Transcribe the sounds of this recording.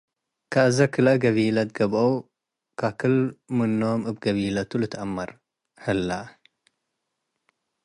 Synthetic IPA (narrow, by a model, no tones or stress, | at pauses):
kʰaʔɨzɐkʰɨlɐɡɐβilɐt̪̚ɡ̥ɐβʔow | kʰakʰɨlmɨnːoomɨbɡɐβilɐt̪ʰulɨt̪ʰʔɐmːɐɾ | hɨlːa